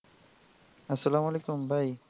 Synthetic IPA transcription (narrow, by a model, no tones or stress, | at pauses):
ɐsːɐlaːmalekumbʱaj